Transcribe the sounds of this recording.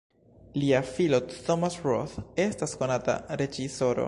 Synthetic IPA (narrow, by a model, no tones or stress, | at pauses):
liafilotomasɾo̰θe̞stasko̞nata̰ɾe̞d͡ʒiso̞ɾo̰